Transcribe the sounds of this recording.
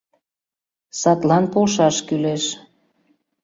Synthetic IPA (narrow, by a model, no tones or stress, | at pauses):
sɑt̪lɑnpolʃɑʃkyleʃ